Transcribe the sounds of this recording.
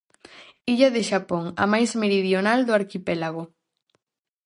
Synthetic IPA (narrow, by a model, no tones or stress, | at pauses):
iʎaðeʃapoŋa̰majzmeɾiðjonald̪oaɾkipɛlaɣ̞o